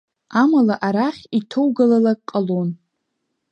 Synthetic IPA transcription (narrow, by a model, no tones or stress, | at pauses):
amalaʔaɾaχʲitʰowɡalalakʼqʼəlon